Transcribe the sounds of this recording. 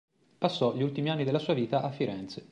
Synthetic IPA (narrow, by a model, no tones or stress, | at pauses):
pasːɔʎiult̪imianːid̪elːasuːaviːt̪aʔafːiɾɛnt̪se